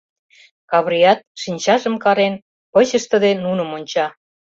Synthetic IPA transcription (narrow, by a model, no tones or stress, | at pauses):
kɑβɾiɑt̪̚ʃinʲt͡ɕɑʒə̆mkɑɾen | pə̆t͡ɕə̆ʃt̪ə̆d̪enunə̆monʲt͡ɕɑ